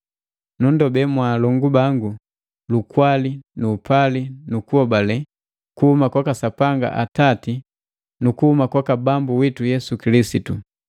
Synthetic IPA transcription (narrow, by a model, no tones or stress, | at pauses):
nundɔbɛmwalɔŋɡubaŋɡu | lukwalinuːpʰalinukuɔbalɛ | kuhumakwakasapaŋɡa̰ʔatati | nukuhumakwakabambuwitujɛsukilisitu